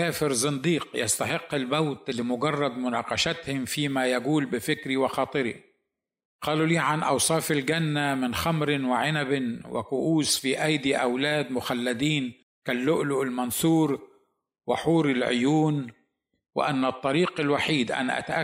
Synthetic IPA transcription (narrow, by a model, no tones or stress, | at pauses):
aːfɪɾzɨnd̪iːqja̰st̪aħɪqːɪlbawt̪ɪlːimʊɡɑrˤːɑd̪mʊnɑːqɑʃat̪hʊmfiːmajaɡuːlbɪfɪkɾiwɪxɑːt̪ˤɨɾḭ | qɑːluliːʕanʔɑ̰wsˤɑːfɪlɡanːamɪnxamɾɪwɪʕɪnabɪnwɪ̰kʊʔuːsfiːʔajd̪iʔawlaːd̪mʊxalːad̪iːn | kalːʊʔlʊʔɪlmɑnsuːɾ | wɪ̰ħuːɾɪlʕʊ̰juːn | wɪ̰ʔanːɨt̪ˤːɑɾiːqɪlwaħiːd̪ʔa̰naʔa̰t̪aʔa